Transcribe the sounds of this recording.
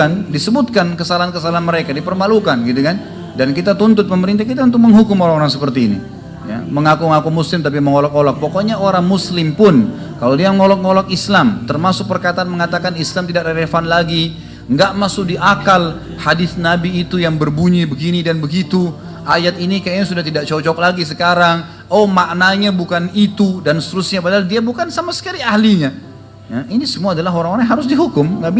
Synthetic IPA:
andisəbut̪̚kankəsalaɦankəsalaɦanməɾekadipərmalukanɡit̪ukan | dankit̪at̪unt̪ʊt̪̚pəməɾint̪̬ahkit̪aunt̪ʊk̚məŋɦukʊmoɾaŋoɾaŋsəpərt̪iːnḭ | ja̰məŋakuməŋakumuslɪmt̪ap̬iməŋolɔk̚olɔk̚pokɔɲaoɾaŋmuslɪmpʊn | kalodiaməŋolɔk̚ŋolɔk̚islamt̪ərmasʊk̚pərkat̪aːnməŋat̪akanislamt̪idak̚dəɾefanlaɡi | ŋɡaʔmasʊk̚diʔakal | hadɪθnabiːt̪ujaŋbərbuɲibəɡinidanbəɡit̪u | ʔajat̪̚inikajaɲasudaht̪idaʔ̚t͡ʃɔt͡ʃɔk̚laɡis̬əkaɾaŋ | omaʔnaɲabukanit̪udanst̪əɾʊsɲabadaaldiabukansamasə̥kaɾiahliɲa | jainisəmuaːdalaɦoɾaŋoɾaŋɦaɾʊs̬diɦukʊmŋɡaʔbi

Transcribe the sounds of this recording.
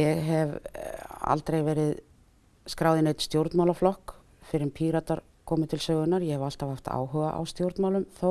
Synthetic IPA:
jɛɣɦɛv | a̰lt̪ɾejvɛːɾɪð | skɾaːwðɪneːjt̪st̪jowɾt̪nmawlaflɔhk | fɪɾɪɾpʰiːɾat̪aɾ | kʰɔːmɪðt̪ʰɪlsœːɣʏnaɾjɛhɛval̥t̪av̥haft̪a̰ːwɦœːɣa̰ʔa̰wst̪jowɾt̪nmawlʏmθo

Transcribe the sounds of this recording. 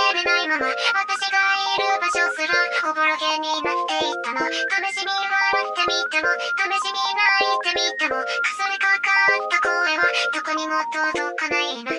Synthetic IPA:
benaimamaβat̪aɕiɡaiɾɯbaɕo̞sɨɾaoboɾoɡeɲ̟ːinat̪ːe̞it̪ːanot̪anoɕimʲiβaɾat̪ːe̞mʲit̪ːemot̪amoɕimʲinait̪ːemʲit̪ːemokɯ̥saɾekakat̪ːakoːẽβat̪okoɲ̟imo̞t̪oːzokanaiɾina

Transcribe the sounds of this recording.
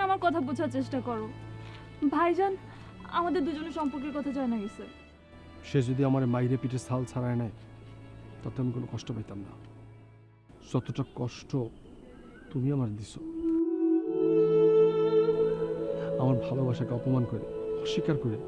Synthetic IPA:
amaɾkɔt̪ʰabud͡ʑʱaɾt͡ɕeʃʈakɔɾo | bʱajd͡ʑɔn | a̰mad̪eɾd̪ud͡ʑoneʃɔmpoɾkeɾkɔt̪ʰad͡ʑɔenaɡise | ʃed͡ʑod̪iamaɾemajɾepiʈʰesʰalt͡ɕʰaɾaenae | t̪at̪eamikonokɔʃʈopajt̪amna̰ | d͡ʑɔt̪oʈakɔʃʈo | t̪umiamaɾd̪isʰo | amaɾbʱalobaʃakeɔpomankoɾḛɔʃːikaɾkoɾe

